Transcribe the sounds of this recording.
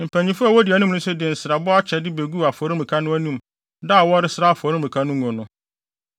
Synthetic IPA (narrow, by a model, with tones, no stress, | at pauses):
m̩˨pʰæ̃˨ɲĩ˨fʊ˦a˨wɔ˦dɪ˨æ˨nũ˦mnʊ̃˦sʊ˦dɪ˨n̩˨sɾa˨bɔ˦a˦t͡ɕʰɛ˨dɪ˦be˨ɡu˦˨a˨fɔ˨ɾɪ̃˦mĩ˨kʰa˦nʊ̃˦æ˦nũ˦˨m | da˦˨wɔ˦ɾɪ˦sɪ˦ɾa˦a˨fʊ˨ɔ˨ɾɪ˦mĩ˨kʰa˦nʊ̃˦ŋ˨ɔ̃˨nʊ̃˦